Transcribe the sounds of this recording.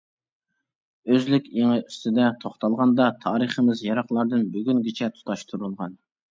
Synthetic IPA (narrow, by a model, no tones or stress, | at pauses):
øzlykʲeŋɨyst̪ʰɪd̪ɛt̪ʰoχt̪ɑlˠʁɑnd̪ɑt̪ʰɑːɾəχəmɪzjɑɾɑχlˠɑɾd̪ɨnbyɡʲynɡʲit͡ʃʰɛt̪ʰu̥t̪ʰɑʃt̪ʰuɾulˠʁɑn